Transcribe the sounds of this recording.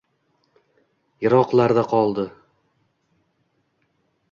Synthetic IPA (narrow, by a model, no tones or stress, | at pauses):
jɤ̆ɾɒqlˠaɾd̪aqʰɒlˠd̪ɤ